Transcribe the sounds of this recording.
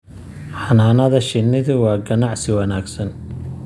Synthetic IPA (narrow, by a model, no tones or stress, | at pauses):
ħɑnaːnɐðɐʃɪnːɪðʊwɑːɡɐnɑʕsɪwɑnaːɡsɐn